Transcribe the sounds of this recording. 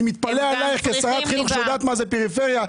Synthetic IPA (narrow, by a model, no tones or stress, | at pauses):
mit̪̚palealajiχkesaʁat̪χinuχʃejod̪aːt̪mazepeʁifeʁja